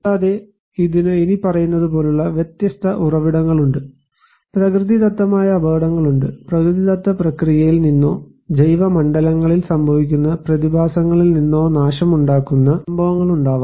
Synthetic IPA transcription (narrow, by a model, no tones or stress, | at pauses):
ɐtaːðe | iðinɨinipɐrɐjunːɐðupo̞ːluɭːɐʋjet̪jɐst̪ʰɐʔurɐʋiɽɐŋːɐɭuɳɖɨ | prɐkrɨðid̪ɐt̪ːɐmaːjɐːbʱɐːɽɐŋːɐɭuɳɖɨprɐkɾɨðid̪ɐt̪ːɐprɐkrijɐjilninːo̞ː | d͡ʑɐjʋɐmɐɳɖɐlɐŋːɐɭilsɐmbʱɐʋikʲːunːɐprɐðibʱaːsɐŋːɐɭilninːo̞ːnaːʂɐmuɳɖaːkːunːɐɐmbʱɐʋɐŋːɐɭuɳɖaːʋ